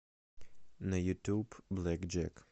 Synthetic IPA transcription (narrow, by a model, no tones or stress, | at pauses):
nɐjut̪ʲubblɛkd͡ʒɛ̰k